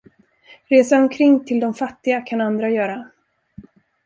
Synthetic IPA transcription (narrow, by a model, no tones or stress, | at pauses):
ɾeːsaɔmkʰɾɪŋːt̪ʰɪld̪ɔmfat̪ːɪɡakʰanand̪ɾajœːɾa